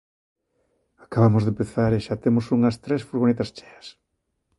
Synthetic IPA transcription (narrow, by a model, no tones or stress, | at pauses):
ḁkaβamozðempeθaɾeʃat̪emosuŋɐst̪ɾesfuɾɣonet̪ɐst͡ʃɛ̥ɐs